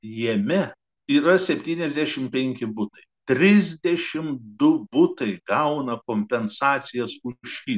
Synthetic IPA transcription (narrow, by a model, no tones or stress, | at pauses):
jɛmʲɛ | iːɾɐsʲɛpʲt̪ʲiːnʲɛzʲd̪ʲæʃʲɪmpʲɛŋʲkʲɪbʊt̪ɐɪt̪ʲɾʲɪzʲd̪ʲɛʃʲɪmd̪ʊbʊt̪ɐɪɡɐʊnɐkoːmʲpʲɛnsɑːt̪sʲɪjɛsʊʃʲiː